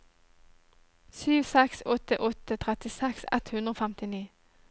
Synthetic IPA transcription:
syːʋsɛksɔt̪əʔɔt̪ət̪ʰʁɛt̪ɪsɛksɛ̰t̪hʉnd̪ʁoːfæmt̪ɪniː

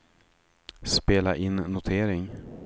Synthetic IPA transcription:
speːlaʔɪnːʊt̪ʰeːɾɪŋ

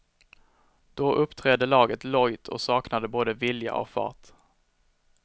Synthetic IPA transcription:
d̪̥oʔɵpːt̪ʰɾɛd̪ːəlɑːɡət̪lɔjt̪ʰɔ̰sɑːknad̪əboːd̪əvɪlja̰ʔɔ̰kfɑ̰ːt

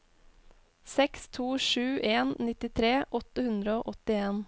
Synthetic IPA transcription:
sɛkst̪ʰuːʃʉːʔeːnnɪt̪ɪt̪ʰɾeːʔɔt̪əhʉnd̪ɾəoːʔɔt̪ɪeːn

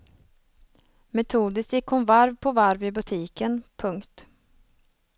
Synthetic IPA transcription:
mɛt̪ʰuːd̪ɪst̪jɪkhʊnvaɾvpʰɔvaɾvɪbɵt̪ʰiːkənpʰɵŋkt̪

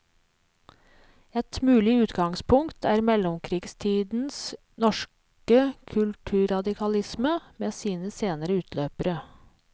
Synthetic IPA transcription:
ɛt̪mʉːlɪʉːt̪ɡɑŋspʰʊŋkt̪ʰæːɾmɛlʊmkʰɾiːɡst̪ʰiːd̪n̩s | nɔʃ | kəkʰʉlt̪ʰʉːɾɑd̪ɪkʰɑlɪsməmeːsiːnəseːnəɾəʉːt̪ʰløːpəɾə

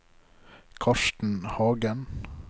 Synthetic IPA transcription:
kʰɑʃtn̩hɑːɡən

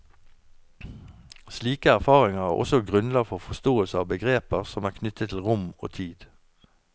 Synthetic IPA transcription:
sliːkəæʁfɑːʁɪŋəʁæːʔɔ̰sɔɡʁʉnlɑːɡfɔfɔst̪oːəlsəɑːʋbəɡʁeːpəʁsɔmæːʁkʰnʏt̪ət̪ʰl̩ʁʊmo̰ːt̪ʰiːd̪

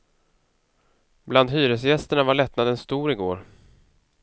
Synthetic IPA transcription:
bland̪ɦyːɾəsjɛst̪əɳavaɭɛt̪nad̪ɛnst̪uːɾɪɡo̰ːɾ

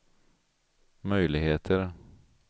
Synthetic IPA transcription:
mœjlɪɡheːt̪ʰəɾ

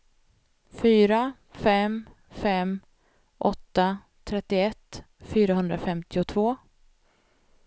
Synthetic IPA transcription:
fyːɾa | fɛm | fɛm | ʔɔt̪ːa | t̪ʰɾɛt̪ːɪɛt̪ː | fyːɾaɦɵnd̪ɾafɛmt̪ɪʊt̪ʰvoː

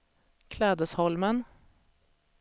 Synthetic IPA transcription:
kʰlɛːd̪əshɔlmən

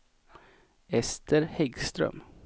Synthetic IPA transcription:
ɛst̪əɾhɛɡst̪ɾœ̰m

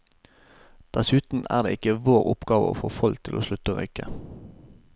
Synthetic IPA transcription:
d̪̥æsʉːt̪n̩æ̰ːʁd̪ḛːɪkəʋoːʁʊpɡɑːʋə̰o̰ːfoːfɔlk̚t̪ʰɪlʔoːʃlʉt̪əʁœ̰ʏkə

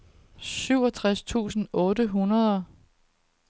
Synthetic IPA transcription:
syʊ̰ɒt͡sʰʁast͡sʰṵːsn̩ɔ̽ːdəɦunɐð̞ˠɐ

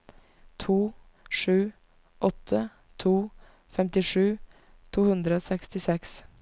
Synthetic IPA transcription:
t̪ʰuː | ʂʉː | ʔɔt̪ʰə | t̪ʰuː | fɛmt̪ɪʂʉː | t̪ʰuːhʉnd̪ɾəoːsɛkst̪ɪsɛks

